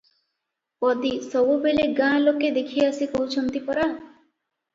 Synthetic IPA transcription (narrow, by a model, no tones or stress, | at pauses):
pɔd̪isɔbubeleɡãloked̪ekʰiasikɔɦut͡ʃʰɔnt̪ipɔɾa